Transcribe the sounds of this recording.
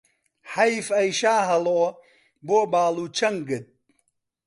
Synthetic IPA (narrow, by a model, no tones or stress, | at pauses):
ħɐjfɐjʃaːɦɐloː | boːbaːluːt͡ʃʰɐŋɡɨt̪̚